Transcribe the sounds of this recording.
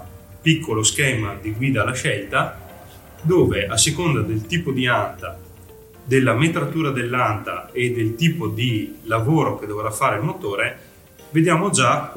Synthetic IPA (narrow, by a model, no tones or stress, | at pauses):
pikːoloskɛːmad̪iɡwiːd̪alaʃɛlt̪a | d̪oːveʔasːekond̪ad̪elt̪iːpod̪iant̪a | d̪elːamet̪ɾat̪uːɾad̪elːant̪a̰ed̪ːelt̪iːpod̪ilavoːɾok̟ed̪oveɾafːaːɾeilmot̪oːɾe | ved̪jaːmod͡ʒa